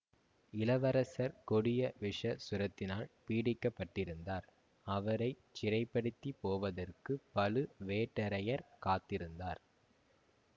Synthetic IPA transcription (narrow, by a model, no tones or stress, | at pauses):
ɪlɐʋɐɾɐsɐɾkɔɽɪjɐʋɪʂɐsʊɾɐt̪ːɪnaːlpiːɽɪkːɐpːɐʈːɪɾɯnd̪aːɾ | ɐʋɐɾɐɪ | t͡ʃːɪɾɐɪpːɐɽɯt̪ːipoːʋɐðɐrkɯpɐlɯʋeːʈːɐɾɐjɐɾkaːt̪ːɪɾɯnd̪aːɾ